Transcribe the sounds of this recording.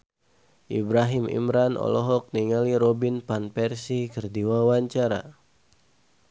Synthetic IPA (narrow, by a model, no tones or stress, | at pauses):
ʔḭbɾaɦimḭmɾanʔɔ̰lɔɦɔk̚niŋaliɾobinpanpɛrsikərdiwawaɲt͡ʃaɾa̰